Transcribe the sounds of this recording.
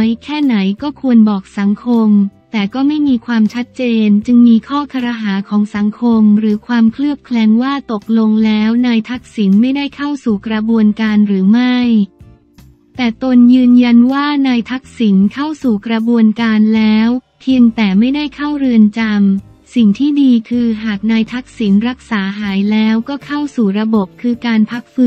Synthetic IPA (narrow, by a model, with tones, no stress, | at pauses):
jkʰɛː˥˩na˩˦jkɔː˥˩kʰu˧ənbɔː˨˩k̚sa˩˦ŋkʰo˧mt̪ɛː˨˩kɔː˥˩ma˥˩jmiː˧kʰwaː˧mt͡ɕʰa˦˥t̪̚t͡ɕeː˧nt͡ɕɯ˧ŋmiː˧kʰɔː˥˩kʰa˧ɾa˧ɦaː˩˦kʰɔː˩˦ŋsa˩˦ŋkʰo˧mɾɯː˩˦kʰwaː˧mkʰlɯ˥˩əp̚kʰlɛː˧ŋwaː˥˩t̪o˨˩k̚lo˧ŋlɛː˦˥wnaː˧jt̪ʰa˦˥k̚si˩˦nma˥˩jda˥˩jkʰa˥˩wsuː˨˩kɾa˧bu˧ənkaː˧nɾɯː˩˦ma˥˩j | t̪ɛː˨˩t̪o˧njɯː˧nja˧nwaː˥˩naː˧jt̪ʰa˦˥k̚si˩˦nkʰa˥˩wsuː˨˩kɾa˧bu˧ənkaː˧nlɛː˦˥w | t̪ʰi˧əŋt̪ɛː˨˩ma˥˩jda˥˩jkʰa˥˩wɾɯ˧ənt͡ɕa˧m | si˨˩ŋt̪ʰiː˥˩diː˧kʰɯː˧ɦaː˨˩k̚naː˧jt̪ʰa˦˥k̚si˩˦nɾa˦˥k̚saː˩˦ɦaː˩˦jlɛː˦˥wkɔː˥˩kʰa˥˩wsuː˨˩ɾa˧bo˨˩p̚kʰːɯː˧kaː˧npʰa˦˥k̚fɯ˦˥